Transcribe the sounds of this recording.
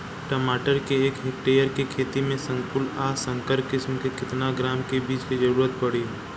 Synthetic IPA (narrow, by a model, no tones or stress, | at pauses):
ʈəmaːʈəɾkeeːkɦɪkʈeːjəɾkekʰeːt̪imẽsə̃ŋkʊlaːsə̃ŋkəɾkɪsmkekɪt̪naɡɾaːmkebiːt͡ʃkid͡ʒɐɾuːɾət̪̚pɐɽi